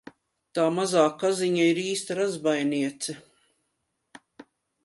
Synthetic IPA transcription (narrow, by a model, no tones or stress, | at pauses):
t̪aːmazaːkaziɲaiɾiːst̪aɾazbajniɛt̪sɛ